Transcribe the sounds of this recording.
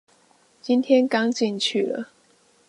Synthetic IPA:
t͡ɕi˦nt̪ʰjɛ˦nkɑ˦ŋt͡ɕi˥˨˧nt͡ɕʰy˥˨˩lə̰˨˩

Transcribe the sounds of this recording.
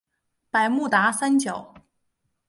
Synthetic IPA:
pa˨˩ɪmu˥˩t̪a˧˥sa˥nt͡ɕjɑ˨˩˦ʊ

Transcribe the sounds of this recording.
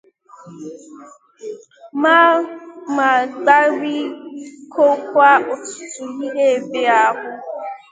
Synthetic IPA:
ma˦ma˨ɡ͡ba˦ɾi˦kʰo˦kʷa˦ʔo˨tu̥˨tu˨li˦ɦe˦˨be˨a˦hʊ˦

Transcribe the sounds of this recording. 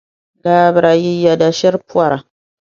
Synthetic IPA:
laː˦bɨ˨ɾa˨ji˦ja˨da˨ʃɪ˦ɾpu˦a˦ɾa˨

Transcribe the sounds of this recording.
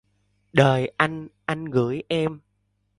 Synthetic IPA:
ɗəː˨˩jʔa˧jŋ̟ʔa˧jŋ̟ɣɨ̰˧˥jʔɛ˧m

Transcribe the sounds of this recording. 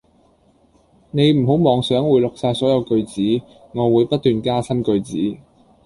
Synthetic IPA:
ne˨˧jm̩˨˩ɦo˨˥wmɔː˨˧ŋsœː˨˥ŋwuː˨˧jlʊ˨k̚saː˧tsɔː˨˥jɐ˨˧wkɵ˧ɥt͡siː˨˥ | ŋɔː˨˧wuː˨˧jpɐ˥t̚t̪ːyː˨nkaː˥sɐ˥nkɵ˧ɥt͡siː˨˥

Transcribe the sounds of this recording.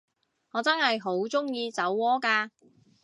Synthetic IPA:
ŋɔː˨˧t͡sɐ˥nhɐ˨jɦo˨˥wt͡sʊ˥ŋjiː˧t͡sɐ˨˥wːɔː˥kaː˧

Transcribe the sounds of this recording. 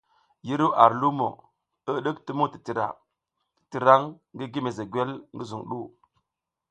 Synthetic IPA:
ji˦ɾu˦ʔa˨ɾlu˦mo̰˨ | ə˦ɗə˦kti˦mu˦ti̥˨ti˨ɾa̰˨ | ti˨ɾa˦ŋ | ŋɡi˦ɡi˦me˨ze˨ɡwe˦lŋɡi˦zu˨ŋɗu˦˨

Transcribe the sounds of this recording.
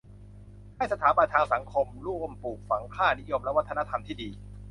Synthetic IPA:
ha˥˩jsa˧t̪ʰaː˩˦ba˧nt̪ʰaː˧ŋsa˩˦ŋkʰo˧mlu˥˩əmpuː˨˩k̚fa˩˦ŋkʰaː˥˩ni˦˥jo˧mlɛ˦˥wt̪ʰːna˦˥t̪ʰa˧mt̪ʰiː˥˩diː˧

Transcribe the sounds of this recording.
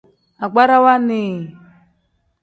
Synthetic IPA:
a˨ɡ͡ba˦ɾa˦wa˦ne˨

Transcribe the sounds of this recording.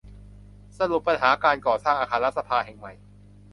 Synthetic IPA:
sa˧lu˨˩p̚ːa˧nɦaː˩˦kaː˧nkɔː˨˩saː˥˩ŋʔaː˧kʰaː˧la˦˥t̪̚sa˧pʰaː˧ɦɛː˨˩ŋma˨˩j

